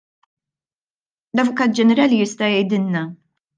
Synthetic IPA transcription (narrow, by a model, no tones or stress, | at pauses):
lɐvʊkɐːt̪̚d͡ʒɛnɛɾɐːlijɪst̪ɐjɛjd̪ɪnnɐ